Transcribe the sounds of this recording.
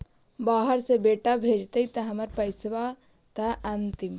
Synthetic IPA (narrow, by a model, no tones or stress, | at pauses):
baɦəɾsẽbeʈabʱed͡ʒt̪əjt̪əɦəməɾpəjsʋa | t̪aʔant̪im